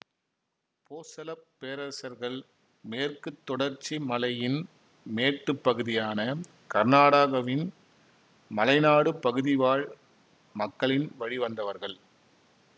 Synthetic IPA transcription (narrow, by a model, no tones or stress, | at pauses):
poːsɐlɐpːeːɾɐsɐɾɣɐɭ | meːrkɯt̪ːɔɽɐɾt͡ʃːimɐlɐjɪn | meːʈːɯpːɐɣɯðɪjaːnɐ | kɐɾnaːɽaɣɐʋɪn | mɐlɐɪnaːɽɯpɐɣɯðɪʋaːɭ | mɐkːɐɭɪnʋɐɻiʋɐnd̪ɐʋɐɾɣɐɭ